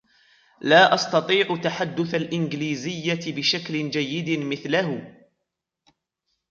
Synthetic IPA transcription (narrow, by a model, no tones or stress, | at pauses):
laːʔɑst̪ɑt̪ˤiːʕʊt̪aħad̪ːʊθalʔɪnɡliːzɪjːabɪʃaklɪd͡ʒajːɪd̪mɪθlahʊ